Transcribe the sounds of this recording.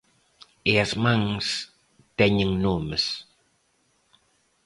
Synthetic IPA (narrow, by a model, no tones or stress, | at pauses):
iasmaŋs | t̪ɛɲəŋnuməs